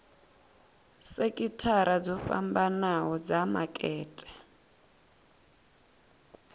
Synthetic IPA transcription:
sekʼitʰaɾad͡zɔfa̰mbanaɦɔd͡zamakʼɛːtʼɛ̥

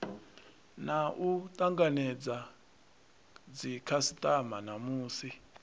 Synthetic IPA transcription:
naʔutʼaŋɡanɛd͡za | d͡zikʰasitʼamanamuːsi

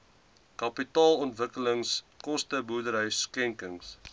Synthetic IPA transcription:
kɐpitɑːlɔntvəkələŋs | kɔstəbuədəɾɦœɥskɛŋkəŋs

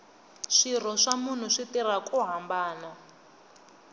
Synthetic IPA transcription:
ʂir̤ɔʂamun̤uʂitirakuɦambaːna

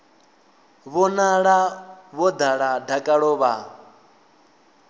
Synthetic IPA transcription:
βɔnaɺaβɔd̪aɺadʱakʼaɺɔːβa

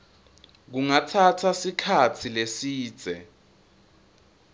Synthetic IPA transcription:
k̬uŋatʰatʰasikʰat͡sʰilesiːd̥z̥ʱɛ̰

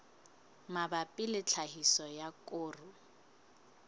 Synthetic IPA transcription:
mabapʼilɪt͡ɬʰahisɔjakʼoːrʊ

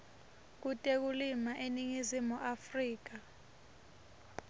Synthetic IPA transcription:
k̬utʼek̬ulimaʔeniŋizimuʔafriːk̬a

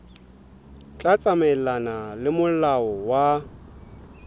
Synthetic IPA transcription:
t͡ɬʼat͡sʼamɛlanalɪmʊlaɔwa

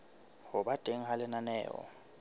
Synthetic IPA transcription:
hɔɓad̥ʱeŋ̩ɦalɛnanɛːɔ̰

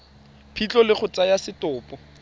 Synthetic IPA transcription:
pʰit͡ɬɔlɪχʊt͡sajasɪtʊːpʼɔ

